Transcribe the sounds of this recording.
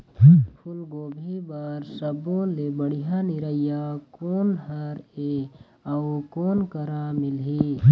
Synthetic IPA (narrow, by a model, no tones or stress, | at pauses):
pʰʊlɡoːbʱibaːɾsəbõlebəɽ̤ijanɪɾəjakoːnɦəɾe | aukoːnkəɾamɪlɦi